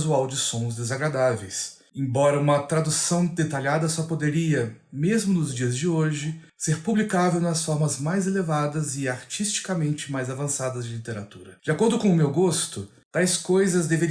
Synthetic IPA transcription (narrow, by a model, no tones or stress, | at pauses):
zuawd͡ʒɪsõzd̪ezaɡɾad̪avejs | ẽbɔɾɐũmɐt̪ɾad̪usɐ̃w̃d̪et̪aʎad̪ɐsɔpod̪eɾiɐmezmʊnʊzd͡ʒiɐzd͡ʒɪoʒɪ | seɾpublikavewnɐsfɔɾmɐzmajzelevad̪ɐzɪaɾt͡ʃist͡ʃi̥kamẽnt͡ʃɪmajzavɐ̃sad̪ɐzd͡ʒɪlit̪eɾat̪uɾɐd͡ʒɪakoɾd̪ʊkõʊmewɡost̪ʊ | t̪ajskojzɐzd̪eveɾ